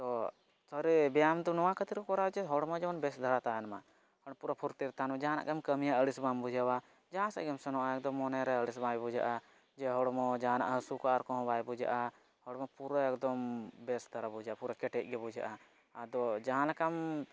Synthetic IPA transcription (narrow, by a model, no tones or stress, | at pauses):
t̪ɔ | t̪ʰɔɾebijamd̪unɔwãkət̪iɾkkɔɾad͡ʒɛɦɔɽmɔd͡ʒɔɔnbɛsd̪ʱəɾat̪aːnma | hɔɽpuɾapʰuɾt̪iɾt̪aːnmãd͡ʒaɦãna̰ʔkamkəmijaəɽisbambud͡ʒawa | d͡ʒãsa̰ʔɡɛmsɔnɔʔaɛkd̪ɔmːɔnɛɾɛəɽisbajbud͡ʒa̰ʔa | d͡ʒɛɦɔɽmɔd͡ʒana̰ʔɦəsukaɾkɔɦɔ̃baːjbud͡ʒa̰ʔa | hɔɽmɔpuɾɔekd̪ɔmbɛsd̪ʱəɾabud͡ʒaʔapuɾakɛʈɛʔ̚ˀɡɛbud͡ʒa̰ʔa | ad̪ɔd͡ʒaãlakam